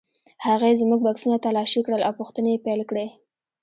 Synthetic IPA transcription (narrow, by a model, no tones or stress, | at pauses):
haɣaezmuɡ̚baksunat̪alɑʃikɽəlawpuxt̪əneepajlkɽe